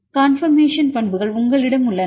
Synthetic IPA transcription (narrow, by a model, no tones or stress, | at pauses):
kaːnfɐɾmeːʂɐnpɐɳbɯɣɐɭʊŋɡɐɭɪɽɐmʊɭːɐn